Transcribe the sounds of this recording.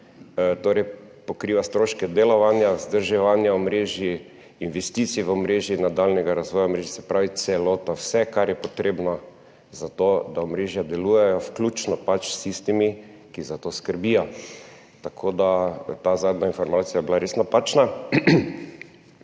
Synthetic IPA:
t̪oːɾɛj | pokɾiʋast̪ɾoːʃkɛd̪elɔʋanjazd̪əɾʒɛʋanjaɔmɾeːʒi | inʋɛst̪it̪sijɛʋɔmɾeːʒinːad̪alnɛɡaɾazʋɔːjaɔmɾeːʒisɛpɾaːʋit̪sɛlot̪awsɛkaɾjɛpɔt̪ɾebnɔ | zat̪od̪aɔmɾeʒjad̪ɛlujɛjɔfklʲut͡ʃnɔpat͡ʃsist̪imi | kizat̪oskəɾbijɔ | t̪akʰoːd̪at̪azad̪nainfɔɾmat̪sijajbilaɾesnapat͡ʃna

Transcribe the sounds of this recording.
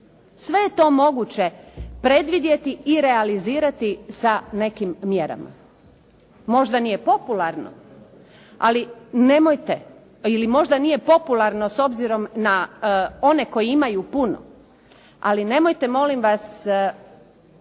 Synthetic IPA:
sʋe̞jet̪o̞ːmo̞ɡut͡ɕe̞pɾe̞d̪ʋid̪je̞t̪iiːɾealiziːɾat̪isane̞kimːje̞ɾa̰ma̰ | mo̞ʒd̪anije̞po̞pulaɾno̰ | a̰line̞mojt̪e | ilimo̞ʒd̪anije̞po̞pulˠaɾno̞so̞bziɾo̞mnao̞ne̞ko̞jiimajupuno̰ | a̰line̞mo̞jt̪e̞mo̞limʋas

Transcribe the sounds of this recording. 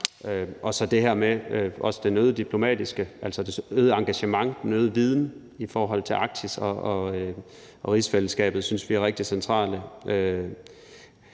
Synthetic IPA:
øʔɒ̽sɒ̽d̥e̝ɦæɐ̰meøʔɒ̽sə̥d̥enøːð̞̩ˠd̥ipʰlo̝mɛ̰ːd̥isɡ̥əʔælsɒd̥e̝øːð̞ˠəɑ̈ŋɡ̥æɕəmɑ̈ŋd̥enøːð̞̩ˠʋið̞ˠn̩ | ifɒːɦɒ̽l̰t͡sʰe̝lʔɑ̈ɡ̥̚t͡sʰisɒɒ | ʔɒ̽ʁisfeləsɡ̥ɛ̰ːb̥ð̩ˠsynsʋiæɐʁeɡ̥̚d̥isent͡sʰʁɑ̰̈ːləʔø

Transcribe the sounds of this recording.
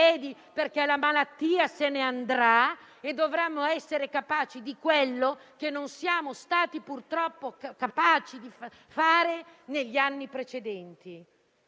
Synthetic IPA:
ɛːd̪i | perkɛlamalat̪ːiːaseneand̪ɾa | ed̪ːovɾemːoɛsːeɾekapaːt͡ʃid̪ikwelːokenːonsijaːmost̪aːt̪ipurt̪ɾɔpːokapaːt͡ʃid̪if | faːɾeneʎːianːipɾet͡ʃed̪ɛnt̪i

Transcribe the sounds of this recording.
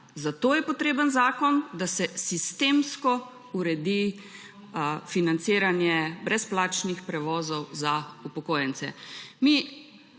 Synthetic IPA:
zat̪oːjɛpɔt̪ɾeːbənzaːkɔnd̪asɛsist̪eːmskɔ | uɾɛd̪i | finant̪siːɾanjɛbɾɛsplaːt͡ʃnixpɾɛʋɔːzɔwzaupɔkoːjənt̪sɛ̰mi

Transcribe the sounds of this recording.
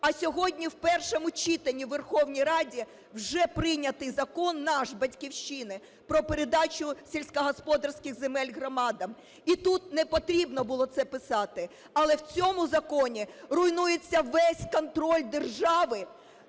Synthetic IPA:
ɐsʲɔɦɔdʲnʲiwpɛrʃɔmʊt͡ʃʲit̪ɐnʲiʋerxɔwnʲijɾɑdʲi | wʒɛpɾɪnʲɐt̪ɪzɐkɔnːɑʃbɐtʲkʲiwʃʲt͡ʃinɪ | pɾɔpeɾed̪ɑt͡ʃʊsʲelʲsʲkɐɦɔspɔd̪ɐrsʲkɪxzemɛlʲɦrɔmɑd̪ɐm | it̪ut̪nɛpɔt̪ɾʲibnɔbʊlˠɔt̪sɛpɪsɑt̪ɪ | ɐlˠɛwt͡sʲɔmʊzɐkɔnʲirʊjnujet͡sʲːɐʋɛsʲkɔnt̪ɾɔlʲd̪e̞rʒɑʋɪ

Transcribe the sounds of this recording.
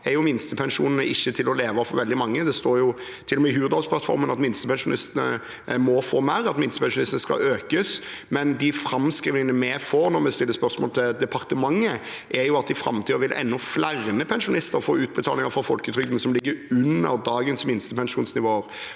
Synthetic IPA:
ɛɾjʊmɪnst̪əpʰɛnʂuːnənəʔɪçːət̪ʰɪlɔleːʋɑfɔɾʋɛld̪ɪmɑŋːəd̪ɛst̪oːɾjʊ | t̪ʰɪlɔmɛːɦʉːəd̪ɑlspʰlɑt̪fɔ̰ɾmənɑt̪mɪnst̪əpʰɛnʂʊnɪst̪ənə̰ | mɔfoːmæɾɑt̪mɪnst̪əpʰɛnʂʊnɪst̪ənəskɑ̰øːkəsmɛnd̪ɪfɾɑmskʁiːʋnɪŋənəmɛfɔɾnɔɾmɛst̪ɪlːəspœɾsmɔ̰ːlt̪ʰɪd̪ɛpʰɑʁt̪əmɑŋːə | ʔɛɾjʊɑt̪̚d̪ɪfɾɑ̰mt̪ʰiːəʋɪlʔɛ̰nːɔflæʁməpʰɛnʂʊnɪst̪əɾɔfo̰ːʉːt̪̚bət̪ʰɑːlɪŋəɾfɔɾfɔlkət̪ʰɾʏd̪n̩sɔmlɪɡːəʉnːə̰ɾd̪ɑːɡənsmɪnst̪əpʰɛnʂuːnsnɪʋoːəɾ

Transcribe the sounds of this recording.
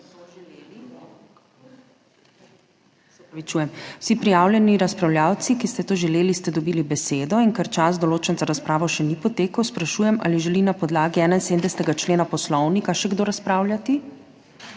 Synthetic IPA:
leli | pɾɔʋit͡ʃuːjɛmwsipɾijaːwlʲjɛniɾaspɾawljaːwt̪sikist̪ɛt̪oːʒɛleːlist̪ɛd̪ɔbiːlibɛseːd̪ɔiŋkɛɾt͡ʃas̬d̪ɔloːt͡ʃɛnzaɾaspɾaːʋɔʃɛnipɔt̪eːkəwspɾaʃuːjɛmʔa̰ːliʒɛlinapɔd̪laːɡiɛːnainsed̪md̪ɛst̪ɛɡat͡ʃleːnapɔslɔwnikaʃɛɡd̪oːɾaspɾaːwljat̪i

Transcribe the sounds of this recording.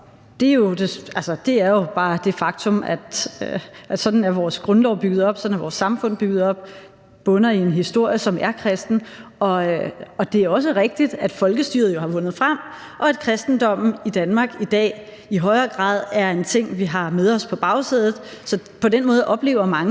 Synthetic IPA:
d̥e̝jo̝d̥e̝ælsɐd̥e̝æɐjo̝b̥ɑ̈ːd̥e̝fɑ̈ɡ̥t͡sʰɔ̽mæd̥ | ʔæ̥sɒ̽d̥n̩æɐʋɒːsɡ̥ʁɔnlɒʊ̰b̥yɡ̥ð̩ˠɒ̽b̥sɒ̥̽n̩æɐʋɒ̰ːsːɑ̈mfɔ̽n̰b̥yɡ̥ð̞̩ˠɒ̽b̥ | b̥ɔ̽nɐie̝nɦisd̥o̝ɐ̰jəsɒ̽mæɐkʰʁɛsd̥n̩ɒ̽ɒ̽d̥e̝æɐɒ̽s̬əʁɛɡ̥̚d̥id̥æd̥fɒ̽lɡ̥əsd̥y̰ɐð̩ˠjo̝hɑ̈ʋɔ̽nð̞̩ˠfʁam̰ | ʔɒ̽æd̥kʰʁɛsd̥n̩d̥ɒ̽m̰n̩id̥ænmɑ̈ɡ̥id̥ɛ̰ː | iɦɒ̽ɪɐːɡ̥ʁɑ̰̈ːð̰ˠæɐe̝nt͡sʰe̝ŋ̰ʋiɦɑ̈meðˠɒ̽spʰɒ̽b̥ɑ̈ʊseðˠð̩ˠsɒ̽pʰɒ̽d̥enmɔ̽ːðˠʔɒ̽b̥le̝̰ːʊ̰ɐmɑ̈ŋ

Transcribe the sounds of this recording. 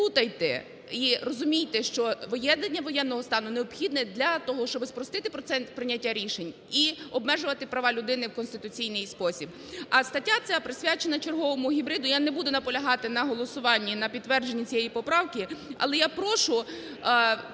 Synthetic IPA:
ut̪ɐjt̪ɛ | irɔzʊmʲijt̪ɛʃt͡ʃɔʋojɛd̪ɐnʲːɐʋɔjɛnːɔɦɔst̪ɑnʊneɔpxʲid̪nɛd̪lʲɐt̪ɔɦɔʃt͡ʃɔbɪspɾɔst̪ɪt̪ɪpɔɛnpɾɪnʲːɐtʲːaɾʲiʃenʲ | iɔbmɛʒʊʋɐt̪ɪpɾɐʋɑlʲʊd̪ɪnɪwkɔnst̪ɪt̪ʊt͡sʲijnɪjspɔsʲib | ɐst̪ɐtʲːat̪sʲapɾɪsʲʋʲat͡ʃenɐt͡ʃerɦɔʋɔmʊɦʲibɾɪd̪ʊjanɛbud̪ʊnɐpɔlʲɐɦɑt̪ɪnɐɦɔlˠɔsʊʋɑnʲːinɐpʲit̪t̪ːʋɛrd͡ʒenʲːit͡sʲijɛjipɔpɾɑwkɪɐ̰lˠɛjapɾɔʃʊ

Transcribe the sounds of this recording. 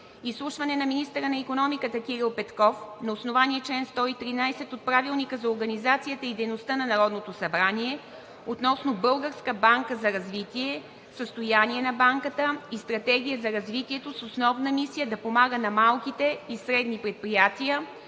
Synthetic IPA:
islˠuʃvɐnɛnɐminist̪əɾənɐikonɔmikət̪ək̟ʲiɾilˠpɛt̪kɔfnɐosnovaniɛt͡ʃlɛnst̪ɔit̪ɾinajsɛt̪ot̪̚pɾavilˠnikəzɐoɾɡənizat̪sijət̪əid̪ɛjnost̪ənɐnɐɾɔd̪not̪osɐbɾaniɛ | ot̪nɔsnobɤlˠɡəɾskəbaŋkəzɐɾɐzvit̪iɛ | səst̪ojaniɛnɐbaŋkət̪əist̪ɾɐt̪ɛɡ̟ʲijəzɐɾɐzvit̪iɛt̪ososnɔvnəmisijəd̪ɐpomaɡənɐmalˠk̟it̪ɛisɾɛd̪nipɾɛt̪̚pɾijat̪iə

